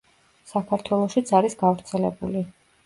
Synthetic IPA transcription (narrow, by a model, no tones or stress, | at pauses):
sakʰaɾt̪ʰwɛlˠɔʃit̪sʰaɾisɡavɾt̪sʰɛlɛ̰buli